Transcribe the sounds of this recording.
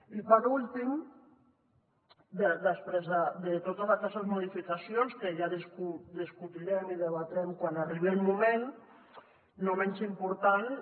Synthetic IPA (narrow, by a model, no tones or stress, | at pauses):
ipaɾulˠt̪im | d̪ed̪əspɾezðad̪et̪ot̪azakɛst̪ezmuðifikasjonskeʒaðeskud̪eskut̪iʎɛmiðeβat̪ɛmkwanariβelmumẽn | omɛɲʲt͡ʃimpuɾt̪an